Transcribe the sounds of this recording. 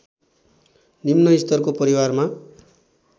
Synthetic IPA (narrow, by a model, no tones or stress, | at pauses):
nimnʌist̪ʌrkopʌɾiwarma